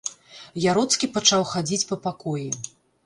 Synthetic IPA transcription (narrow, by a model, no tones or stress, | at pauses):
jaɾɔt̪skʲipat͡ʂawxad͡zʲit͡sʲpɐpakɔji